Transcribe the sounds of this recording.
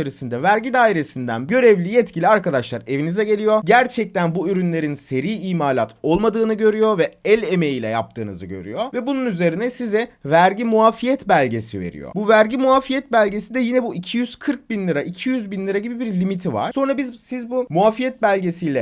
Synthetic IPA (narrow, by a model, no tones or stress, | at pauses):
eɾisind̪ɛvæɾɟid̪aːiɾe̞sind̪æ̰nɟø̞ɾɛvlʲijɛt̪cʰilʲiaɾkad̪aʃlˠaɾe̞vinizɛɟe̞lʲijo̞ɟæɾt͡ʃʰɛc̚t̪ænbuyɾynlʲe̞ɾinse̞ɾiːiːmaːlʲat̪ʰo̞lˠmad̪ɯːnɯɟø̞ɾyjovɛɛlʲeme̞jilʲɛ̰ja̰p̚t̪ʰɯːnɯ̰zɯɟø̰ɾy̰jo̞vɛbununyze̞ɾinɛsizɛvæɾɟimuafijɛt̪bælʲɟe̞sive̞̰ɾḭjo̰buvæɾɟimuafijɛt̪bælʲɟe̞sid̪ɛjinɛbuicʰijyz̥kʰɯɾk̚binlʲˠiɾaʔicʰijyzbinlʲˠɯɾaɟibibiɾlʲimit̪ʰiva̰ɾ̥so̞nɾabizsizbumuafijɛt̪̚bælʲɟe̞sijlʲɛ